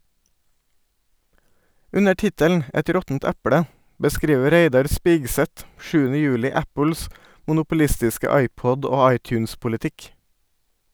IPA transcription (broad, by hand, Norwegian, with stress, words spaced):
ˈʉnə ˈʈɪtəln̩ ˈɛt ˈɾɔtn̩t ˈæpɽə bəˈskɾiːʋə ˈɾeɪdɑɾ ˈspɪɡsɛt ˈʃʉːənə ˈjʉːlɪ ˈæpl̩s mʊnʊpʊˈlɪstɪskə ˈɑɪˌpɔd ˈoː ˈɑɪˌtjʉːnspʊlɪˌtɪk